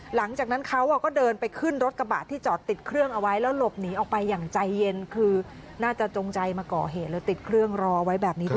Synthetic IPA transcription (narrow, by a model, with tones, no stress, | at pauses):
la˩˦ŋt͡ɕaː˨˩k̚na˦˥nkʰa˦˥wʔa˨˩kɔː˥˩dɤː˧npa˧jkʰɯ˥˩nɾo˦˥t̪̚ka˧ba̰ː˨˩t̪ʰːiː˥˩t͡ɕɔː˨˩t̪ːi˨˩t̪̚kʰɾɯ˥˩əŋʔa˧wa˦˥jlɛː˦˥wlo˨˩p̚niː˩˦ʔɔː˨˩k̚pa˧jːaː˨˩ŋt͡ɕa˧jːe˧nkʰɯː˧ | naː˥˩t͡ɕa˨˩t͡ɕo˧ŋt͡ɕa˧jmaː˧kɔː˨˩ɦeː˨˩t̪̚lɯː˨˦t̪i˨˩t̪̚kʰɾɯ˥˩əŋɾɔː˧ʔa˧wa˦˥jbɛː˨˩p̚niː˦˥